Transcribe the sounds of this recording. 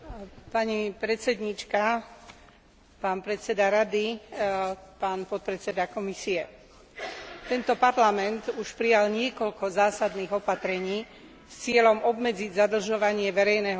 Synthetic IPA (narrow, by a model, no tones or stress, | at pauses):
paɲipɾɛt̪t͡sɛd̪ɲit͡ʃka | paːnpɾɛt̪t͡sɛd̪aɾad̪i | paːnpɔt̪̚pɾɛt͡sɛd̪akɔmisiɛ | t̪ɛnt̪ɔpaɾlamɛnt̪uʃpɾijalɲɪɛkɔʎkɔzaːsad̪niːɣɔpat̪ɾɛɲiː | st͡sɪɛlɔmɔbmɛd͡ziɟzad̪l̩ʒɔʋaɲɪɛʋɛɾɛjnɛːɦɔ